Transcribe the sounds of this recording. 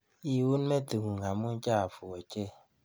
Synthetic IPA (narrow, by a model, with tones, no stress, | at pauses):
i˦˨wu˦n˦me˦tu˨ŋu˨ŋa˨mu˦n̩˦t͡ʃa˦a˨fu˨ɔ˨t͡ʃe˦˨